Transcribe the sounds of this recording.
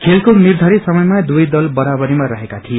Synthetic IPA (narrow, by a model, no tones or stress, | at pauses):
kʰelkonird̪ʱʌɾisʌmʌjmad̪ujd̪ʌlbʌɾabʌɾimaɾʌɦekat̪ʰije